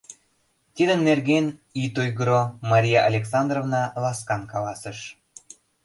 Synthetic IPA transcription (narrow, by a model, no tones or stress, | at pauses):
t̪id̪ənːerɣenit̪ujɣɾomɑɾʲijɑʔɑlʲeksɑnd̪rovnɑlɑskɑnkɑlɑsəʃ